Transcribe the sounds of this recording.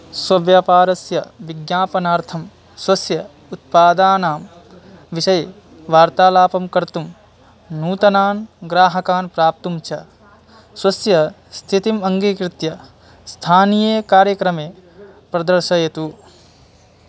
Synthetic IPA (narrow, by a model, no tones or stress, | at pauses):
sʋɐʋjaːpaːɾɐsjɐʋiɡjaːpɐnaːɾt̪ʰɐm | swɐsjɐ | ut̪̚paːd̪aːnaːm | ʋiʃɐj | ʋaːɾt̪aːlaːpɐmkɐɾt̪um | nuːt̪ɐnaːnɡɾaːɦɐkaːnpɾaːp̚t̪umt͡ʃʰɐ | swɐsjɐ | st̪ʰit̪imɐŋɡikɾɪt̪jɐ | st̪ʰaːnijeːkaːɾjɐkɾɐmeː | pɾɐd̪ɐɾʃɐjɐt̪u